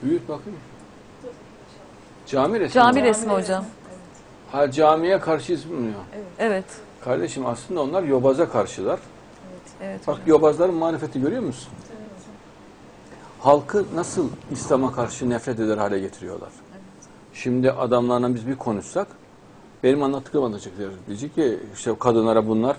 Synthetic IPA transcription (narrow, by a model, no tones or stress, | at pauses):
byjyc̚bakʰɯn | d͡ʒaːmiɾɛsd͡ʒaːmiɾɛsmihod͡ʒam | had͡ʒaːmijɛkʰaɾʃɯizbimuujoevɛt̪ | kʰaɾd̪eʃimaslˠɯnd̪ao̞nlˠaɾjo̞bazakʰaɾʃɯlˠaɾ̥ | akajo̞bazlˠaɾɯnmaːɾife̞t̪ʰiɟø̞ɾyjo̞ɾmusy̥n | halˠkʰɯnasɯlˠislʲamakʰaɾʃɯnɛfɾɛt̪ed̪æɾhaːlʲɛɟe̞t̪ʰiɾijo̞̰lˠa̰ɾ̥ | ʃimd̪iʔad̪amlˠaɾɯnabizbikʰo̞nuʃsak | b̥e̞nimanlˠat̪ʰːɯ̥k̪ɯmanat͡ʃɯk̚d̪ɾɯzd̪id͡ʒɛcciiʃt̪ɛkʰad̪ɯnlˠaɾabunlˠaɾ̥